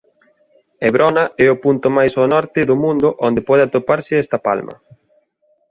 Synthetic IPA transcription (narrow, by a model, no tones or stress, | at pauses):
eβɾʔɔnɐɛʊpunt̪ʊmajsonɔɾt̪ɪðʊmũnd̪ʊʔond̪epɔð̞ɪat̪opaɾsɪɛst̪ɐpa̰lmɐ̰